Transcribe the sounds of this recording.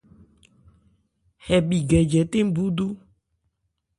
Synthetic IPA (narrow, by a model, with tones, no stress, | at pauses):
hɛ˨bi˨ɡɛ˨d͡ʒɛ˨t̪e˦m˦bu˦d̪u˦